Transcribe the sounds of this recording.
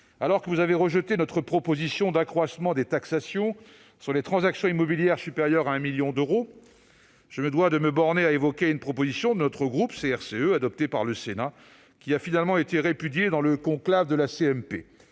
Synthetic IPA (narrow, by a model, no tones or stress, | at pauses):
alɔʁkəvuzaveʁəʒət̪enɔt̪χəpχɔpozisjɔ̃d̪akχwasmɑ̃d̪et̪aksasjɔ̃ | syʁlet̪χɑ̃zaksjɔ̃imɔbiljɛʁsypeʁjœʁaɛ̃miljɔ̃d̪øʁo | ʒ̥əməd̪wad̪əməbɔʁneaevɔkʲeynpχɔpozisjɔ̃d̪ənɔt̪χəɡʁupseɛʁseøad̪ɔp̚t̪epaʁləsena | kʲiafinalmɑ̃et̪eʁepyd̪jed̪ɑ̃ləkɔ̃klavd̪əlaseɛmpe